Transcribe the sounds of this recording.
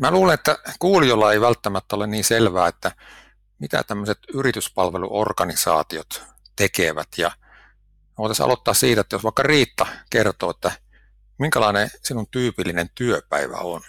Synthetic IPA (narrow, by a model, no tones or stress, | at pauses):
mæluːlenet̪ːækuːlijolːɑeiʋælt̪ːæmæt̪ːæolenniːnselʋæːet̪ːæ | mit̪æ̰t̪æmːøset̪yrit̪yspɑlʋelṵʔo̰rɡɑnisɑ̰ːt̪iot̪ | t̪ekeʋæ̰t̪jɑ | eoˑit̪ɑsɑ̰lot̪ːɑːssiːt̪æet̪ːjosʋɑˑikːɑriːt̪ːɑkert̪oːet̪ːæ | miŋkælɑinesinunt̪yːpilːinent̪yøpæ̰iʋæ̰on